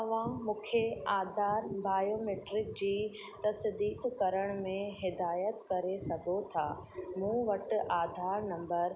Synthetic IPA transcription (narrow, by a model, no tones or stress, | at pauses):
ɐʋãmʊ̃ːkʰjeaːd̪ʱaːɾbaːjoːmeːʈɾɪk̚d͡ʑiː | t̪ɐsɪd̪iːkkɐɾəɽ̃mẽɦɪd̪aːjət̪kɐɾesɐɡʱot̪ʰa̰ːmũːʋɐʈ̆ʔaːd̪ʱaːɾnɐ̃mbəɾ